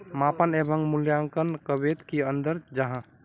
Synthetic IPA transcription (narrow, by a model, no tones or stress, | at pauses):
mapənebʱəŋɡmuljaŋkənkəbet̪kiənd̪əɾd͡ʒəɦã